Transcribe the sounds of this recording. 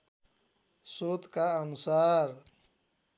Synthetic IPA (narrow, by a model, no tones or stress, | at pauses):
soːt̪kaənʊsaːɾ